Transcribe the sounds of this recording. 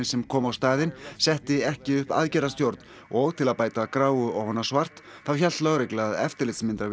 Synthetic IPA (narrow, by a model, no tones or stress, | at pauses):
ɪsɛmkʰɔːmawst̪aːðɪnsɛht̪ɪɛhcɪʏhpa̰ðcɛɾast̪jowɾt̪n | ɔɣt̪ʰɪlaðpaːjt̪akɾaːwʏɔwhɔnːasvar̥t̪ | θawçal̥t̪lawɾeklaðɛ̰ft̪ɪɾlɪt̪smɪnt̪ɾav